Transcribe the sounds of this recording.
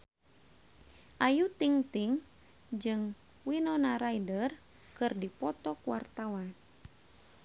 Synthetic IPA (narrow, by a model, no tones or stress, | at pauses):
ʔajut̪iŋt̪iŋ | d͡ʒɨŋ | winɔnaɾaidər | kɨrdipɔt̪ɔkuwart̪awan